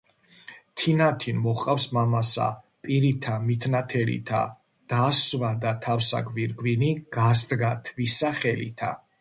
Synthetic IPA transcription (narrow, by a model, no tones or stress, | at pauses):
t̪ʰinat̪ʰinmɔχqʼafsmamasa̰ | pʼiɾit̪ʰamit̪ʰnat̪ʰɛlḭt̪ʰa̰ | d̪̥asvad̪at̪ʰafsa̰ɡviɾɡwiniɡ̥asd̪ɡat̪ʰvisaχɛlḭt̪ʰa̰